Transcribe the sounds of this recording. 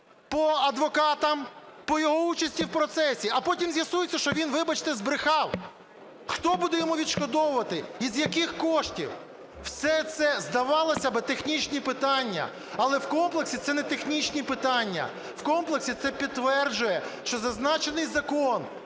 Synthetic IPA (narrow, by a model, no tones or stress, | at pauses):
pɔɐd̪ʋɔkɑt̪ɐmpɔjɔɦɔut͡ʃɐsʲtʲiwpɾɔt̪sɛsʲiɐpɔtʲimzʲjɐsujɪt͡sʲːɐʃt͡ʃɔʋʲinʋɪbɐt͡ʃt̪ɛzbɾɪxɑw | xt̪ɔbud̪ɛjɔmuʋʲid̪ʃkɔd̪ɔwʊʋɐt̪ɪizjɐkɪxkɔʃtʲḭw | wsɛt̪sɛzd̪ɐʋɑlˠɐsʲɐbɪt̪exnʲit͡ʃnʲipɪt̪ɑnʲːɐ̰ | ɐlˠɛwkɔmplˠeksʲit̪sɛnɛt̪exnʲit͡ʃnʲipɪt̪ɑnʲːɐ̰ | wkɔmplˠeksʲit̪sɛpʲid̪ːʋɛrd͡ʒʊjɛʃt͡ʃɔzɐznɑt͡ʃenɪjzɐkɔn